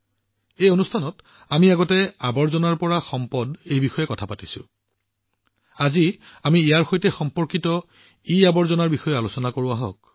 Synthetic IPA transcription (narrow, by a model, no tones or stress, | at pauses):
ejonustʰanɔt | amiaɡɔtɛabɔɹzɔnaɹpɔɹaxɔmpɔdejbixɔjɛkɔtʰapatisʊ̰̃ | aziamiːjaɹxojtɛxɔmpɔɹkitɔ | iabɔɹzɔnaɹbixɔjɛalusɔnakoɹʊaɦɔ̰k̚